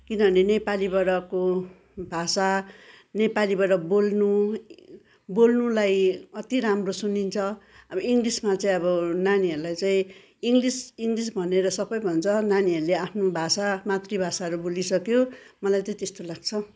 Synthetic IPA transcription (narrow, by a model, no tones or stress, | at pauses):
kinʌbʌnenepalibʌɽʌko | bʱasa | nepalibʌɽʌbolnu | bolnulajʌt̪iɾamrosunint͡sʰʌ | ʌbʌiŋɡlismat͡saĩʌβʌnaniɦʌɾulajt͡saĩ | iŋɡlisiŋɡlis̬bʱʌneɾʌsʌbʌjbʱʌnt͡sʰʌnaniɦʌɾuleapʰnobʱasamat̪ribʱasaʌɾubolisʌkjomʌlajt͡saĩt̪est̪olaɡ̚t͡sʰʌ